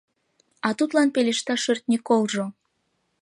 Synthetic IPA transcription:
ɑt̪ut̪lɑnpeleʃt̪ɑʃørt̪̚nʲikolʒo

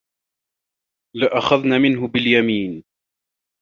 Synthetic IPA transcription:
lɪʔaxaðnaːmɪnɦʊbɪljamiːn

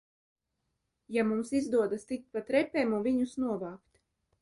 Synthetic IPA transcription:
jamumsizd̪uɔd̪ast̪ik̚t̪̚pat̪ɾɛpʲɛːmunviɲusnuɔvaːkt̪

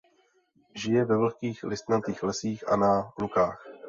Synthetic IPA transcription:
ʒɪjɛvɛvl̩kiːxlɪst̪nat̪iːxlɛsiːxʔa̰nalukaːx

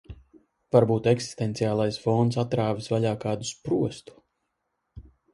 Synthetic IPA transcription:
vaɾbuːt̪ɛksi̥st̪ɛnt̪sijaːlˠajsfɔnt̪sat̪ɾaːvisvaʎʲaːkaːd̪u̥spɾuɔst̪u̥

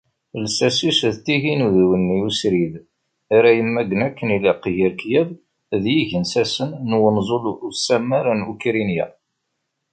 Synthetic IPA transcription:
lsæsisðt̪ːiʝinuðwənːiusɾið | aɾæjəmːæɡənækːəniliqjiɾkjæv | ðjiʝənsæsənːwənzˤolusæmːaɾanukɾinjæ̰

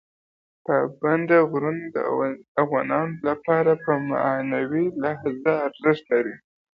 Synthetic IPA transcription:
pəband̪aɣɾund̪ə̰avɣɑnɑnolapɑɾapəma̰nawilahzaːɾzəst̪laɾi

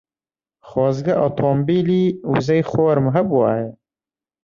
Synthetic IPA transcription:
χɑːzɡɐʔot̪ʰoːmbiːliːuzɐjχoːɾmɦɐbwaːje

